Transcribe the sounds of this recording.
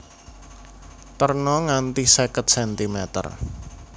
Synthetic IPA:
t̪ərnɔŋant̪isekət̪̚sɛnt̪imɛt̪ə̰r

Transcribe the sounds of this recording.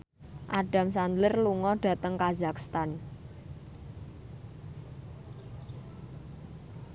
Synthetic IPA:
ʔaɖ̥a̤msand̪lɪrluŋɔɖ̥ä̤t̪əŋkazakst̪an

